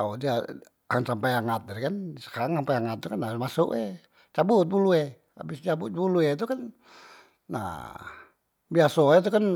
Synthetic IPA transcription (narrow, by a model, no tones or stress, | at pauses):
aodia | ansampajaŋat̪̚daɾikansə̥kaɾaŋsampajaŋat̪̚t̪ukanabmasʊ̰ʔɛ̰ | t͡ʃabut̪̚buluɛ | a̰bɪst͡ʃabʊt̪̚buluet̪̬ukan | na̰ | biasoɛt̪̬ukan